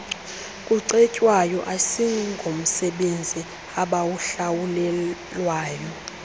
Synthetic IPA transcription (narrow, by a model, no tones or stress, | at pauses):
kʼuǀɛcʼwajɔʔasiŋŋɡʱom̩sɛɓend͡zʱi | aɓawuɬawulɛ | lwaːjɔ